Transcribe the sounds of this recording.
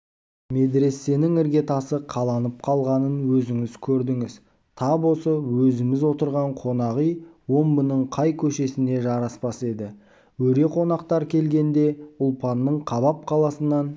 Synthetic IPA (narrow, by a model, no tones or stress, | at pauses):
me̞d̪ɾe̞sːe̞nɪŋɪɾɡʲe̞t̪ʰɑsəqʰɑlˠɑnəp̚qʰɑlˠʁɑnənwɵzɪŋɪzkʲʰɵɾd̪ɪŋɪz | t̪ʰɑbosəwɵzɪmɪzwo̞t̪əɾʁɑɴqʰo̞nɑʁijwo̞mbənəɴqʰɑjkʲʰɵʃe̞sɪne̞ʒɑɾɑspɑse̞d̪ɪ | wɵɾe̞qʰo̞nɑqt̪ɑɾkʲʰe̞lɡʲe̞nd̪e̞ʊlˠpɑnːəɴqʰɑβɑp̚qʰɑlˠɑsənɑn